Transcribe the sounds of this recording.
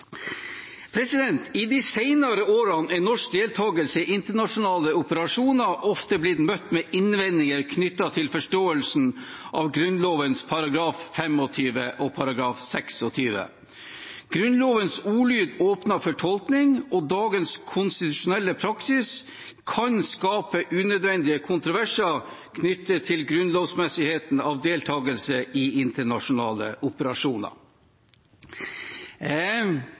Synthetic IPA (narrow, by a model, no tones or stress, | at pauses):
pʰɾɛsɪd̪ɛnt̪ʰid̪isæɪnɑɾəoːɾɑnɛnɔʂk̚d̪eːlt̪ʰɑːɡəlsəʔɪnt̪əɳɑʂʊnɑːləʊpəɾɑʂuːnɑʔɔft̪əblɪt̪mœt̪ːmɛʔɪnʋɛnːɪŋəɾkʰnʏt̪ːɑt̪ʰɪlfɔʂʈoːəlsn̩ʔɑ̰ʋɡɾʉnloːʋənspʰɑɾɑɡɾɑːffɛmɔt̪ʰyːʋəʔɔpʰɑɾɑɡɾɑːfsɛksɔt̪ʰyːʋə̰ | ɡ̥ɾʉnloːʋənsuːlyːd̪oːpnɑfɔʈʰɔlknɪŋɔd̪ɑːɡənskʰʊnst̪ɪt̪ʉʂʊnɛlːəpʰɾɑksɪs | kʰɑnskɑːpəʔʉːnøːd̪ʋɛnd̪ɪəkʰʊnt̪ɾʊʋæʂəɾ | kʰnʏt̪ːət̪ʰɪlɡɾʉnloːʋsmɛsɪheːt̪nɑʋd̪eːlt̪ʰɑːɡəlsəʔɪɪnt̪əɳɑʂʊnɑ̰ːlə̰ʔʊpəɾɑʂuːnɑ̰ɾ